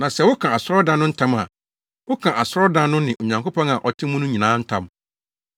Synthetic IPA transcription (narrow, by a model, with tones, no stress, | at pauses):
nã˨sɛ˦wʊ˦kʰã˨a˨sʊ˦ɾɔ˦dã˦nʊ̃˦n̩˦tʰã˦ma̰˨ | wʊ˦kʰã˨ʔa˨sʊ˦ɾɔ˦dã˦nːʊ̃˦nɪ̃˨ʔo˨ɲã˨ŋko˦pʰɔ̃˦ŋa˨ʔɔ˨tʰɪ˦muʊ̃˦nʊ̃˦ɲĩ˨nãː˨˦n̩˦tʰã̰˦m